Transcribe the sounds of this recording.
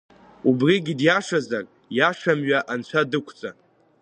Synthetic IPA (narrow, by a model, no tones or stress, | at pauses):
ubriɡʲidjaʂazakʼ | jaʂamɥaʔant͡ɕʷʰadɨkʷʰt͡sʼa